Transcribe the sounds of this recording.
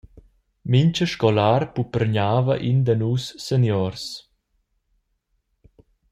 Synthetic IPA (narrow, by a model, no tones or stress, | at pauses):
miɲt͡ʃəʃkɔlaɾpupɾɲaːvəʔind̪ənuːsːenjɔɾs